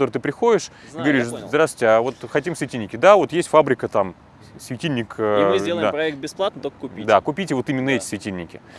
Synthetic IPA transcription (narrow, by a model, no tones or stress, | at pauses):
t̪oɾɨt̪ɨpɾʲɪxo̞dʲɪʂiɡɡɐvɐɾʲiʂzd̪ɾasɪ̥tʲɪavo̞t̪xɐtʲimsvʲɪtʲilʲnʲɪkʲɪd̪avo̞t̪jesʲtʲfabɾʲɪkət̪am | svʲɪtʲilʲnʲɪkɨzʲdelˠəɪampɾɐɛk̚t̪̚bʲɪsplˠat̪nət̪okə̥kʊpʲid̪akʊpʲitʲɪvo̞t̪ɨmʲɪnːəɛtʲɪ̥svʲɪtʲilʲnʲɪkʲɪ